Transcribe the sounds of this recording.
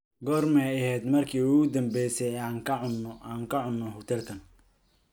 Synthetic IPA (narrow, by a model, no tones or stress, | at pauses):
ɡɔːrmɛjɐhɛːd̪mɐrkʰiːuɣʊd̪ɐmbɛjsɛjaːŋkʰɐʊnaːŋkʰɐʕʊnːɔɦʊt̪ʰɛlkʰɐn